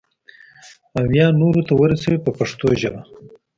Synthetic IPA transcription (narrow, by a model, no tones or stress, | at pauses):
awjɑnoɾot̪awəɾasawipəpaʂt̪oʒaba